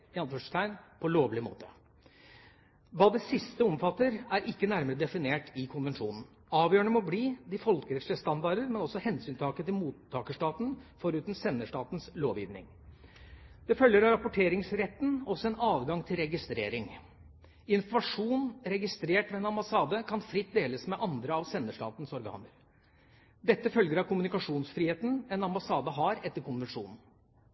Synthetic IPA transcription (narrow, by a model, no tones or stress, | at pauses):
ɑnfɔʂt̪ʰæɪnpʰɔloːʋlɪmo̰ːt̪ʰə̥ | ʋɑːd̪ɛsɪst̪əɔmfɑt̪ːəɾæɾʔɪkːənæɾməɾəd̪ɛfɪneːʈɪkʰʊnʋɛnʂṵːnn̩ | ɑːʋjøːɳəmɔbliːd̪ɪfɔlkəɾɛt̪sɭəst̪ɑnd̪ɑɖəɾmɛnɔsɔhɛnsyːnt̪ʰɑːkət̪ɪlmuːt̪ʰːɑːkəʂʈɑːt̪nfɔɾʉːt̪n̩sɛnːəʂʈɑːt̪nsloːʋjḭːʋnɪ̰ŋ | d̪̥ɛfœljəɾɑɾɑpʊʈʰeːɾɪŋsɾɛt̪ːn̩ɔsɔɛnɑːʋɡɑŋt̪ʰɪlɾɛɡɪst̪ɾeːɾɪŋ | ɪnfɔmɑʂuːnɾɛɡɪst̪ɾeːʈmɛɛnɑmbɑsɑːd̪əkʰɑnfɾɪt̪ːd̪eːləsmɛʔɑnd̪ɾəɑʋsɛnːəʂʈɑ̰ːt̪n̩sɔɾɡɑ̰ːnəɾ | d̪ɛt̪ːəfœlɡəɾɑkʰʊmʉnɪkɑʂuːnsfɾiːheːt̪n̩ɛnɑmbɑsɑːd̪ɑɦɑɾɛt̪ːəɾkʊnʋɛnʂṵːnn̩